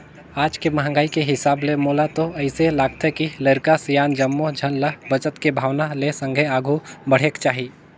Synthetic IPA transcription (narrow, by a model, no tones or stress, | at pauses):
aːd͡ʒkemɐɦə̃ŋɡaːikeɦɪsaːblemoːlat̪oɐɪselaːɡ̚t̪ɦɛkiləɾkasijaːnd͡ʒəmːod͡ʒʱənləbət͡ʃət̪kebʱaːʋnalesə̃ŋɡʱeaːɡʱubəɽ̤eːkt͡ʃaːɦiː